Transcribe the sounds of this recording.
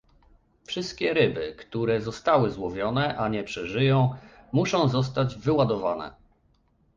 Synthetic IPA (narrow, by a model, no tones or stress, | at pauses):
fʂɘst̪̚kʲɛɾɘbɘkt̪uɾɛzɔst̪awɘzwɔvʲjɔnɛʔaɲɛpʂɛʐɘjɔ̃w̃muʂɔ̃w̃zɔs̬t̪ad͡ʑvɘwad̪ɔvanɛ̰